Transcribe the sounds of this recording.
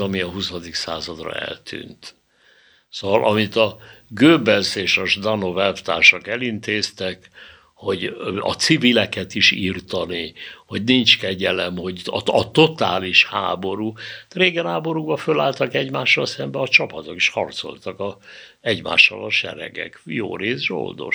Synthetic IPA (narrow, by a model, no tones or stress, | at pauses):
ɒmiɒɦusɒd̪iksa̰ːzɒd̪rɒ̰ɛ̰lt̪ʰy̰ːnt̪ | sovɒlʔɒmit̪ɒɡøːbɛlseːʃɒʒd̪ɒno̞vɛlft̪a̰ːʃɒkɛlint̪eːst̪ɛk | ho̞ɟɒ̰t̪sivilɛkɛt̪iʃirt̪ɒniho̞ɟnint͡ʃkɛɟɛlɛmho̞ɟɒɒt̪o̞t̪aːliʃha̰ːbo̞ɾuːt̪ɾeːɡɛnɦaːbo̞ɾuɡbɒfølaːlt̪ɒkɛɟmaːʃːɒlsɛmbɛɒt͡ʃɒpɒt̪oki̥ʃhɒrt̪so̞̰lt̪ɒkɒ | ɛɟma̰ːʃːɒ̰lɒʃɛ̰ɾɛ̰ɡɛ̰kjo̰ːreːzʒo̰ld̪o̞̰ʃ